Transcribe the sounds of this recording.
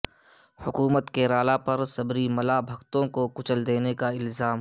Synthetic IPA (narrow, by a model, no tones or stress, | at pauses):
hʊkuːmət̪keɾaːlapɐɾsɐbɾimɐlabʱɐkt̪õkokʊt͡ʃəld̪eːnekaɪlzaːm